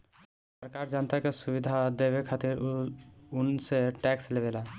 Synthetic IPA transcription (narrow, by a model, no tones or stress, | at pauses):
s | əɾkaɾd͡ʒant̪akesubid̪ʱad̪ebekʰaːt̪iɾ | ʊnseʈɛkslebela